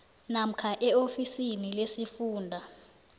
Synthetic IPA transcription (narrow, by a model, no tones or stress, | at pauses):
nam̩kʰaʔɛofisinilesifuːndʱa